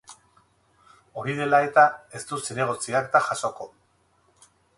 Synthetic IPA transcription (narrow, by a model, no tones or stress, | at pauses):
o̞ɾiðe̞lae̞t̪ae̞st̪useɾe̞ɣ̞o̞t͡siakt̪aʝaso̞ko̞